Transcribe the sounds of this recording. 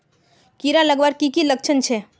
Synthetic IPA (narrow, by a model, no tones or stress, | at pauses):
kiɾãləɡʋaɾkikilək̚t͡ʃʰənt͡ʃʰe